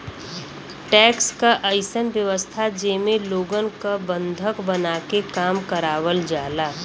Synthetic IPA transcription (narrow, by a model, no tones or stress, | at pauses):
ʈɛːkskaʔəɪsənʋjəʋəst̪ʰad͡ʒeːmẽloːɡənkabə̃nd̪ʱəkbənaːkekaːmkəɾaːʋəld͡ʒaːlaː